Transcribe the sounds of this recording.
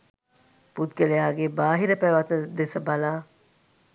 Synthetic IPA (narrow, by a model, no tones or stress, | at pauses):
put̪̚ɡelejaːɡebaːɦiɾɐpæːʋat̪nɐd̪esɐbɐlaː